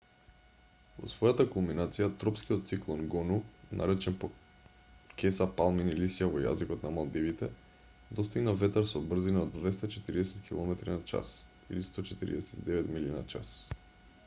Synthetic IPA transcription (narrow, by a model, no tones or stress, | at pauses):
vo̰svɔjat̪akulminat̪sijat̪ɾɔpskiot̪t̪siklˠoŋɡɔnunʔa̰ɾɛt͡ʃɛnpo | kɛsapalˠminilisijavoja̰zikɔt̪namalˠd̪ivit̪ɛ | d̪ɔst̪iɡnavɛt̪aɾsobr̩zinaod̪vɛst̪at͡ʃɛt̪iɾid̪ɛsɛ̥t̪kʰilˠɔmɛt̪ɾinat͡ʃa̰s | ḭlist̪ɔt͡ʃɛt̪iɾḭd̪ɛsɛ̥t̪id̪ɛvɛt̪milina̰t͡ʃa̰s